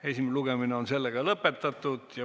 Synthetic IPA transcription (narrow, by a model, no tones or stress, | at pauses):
e̞sʲimeluɡ̥emineo̞nse̞lːeɡ̥ɑlɤpːe̞t̪ːˑɑt̪ːˑud̪̥jɑ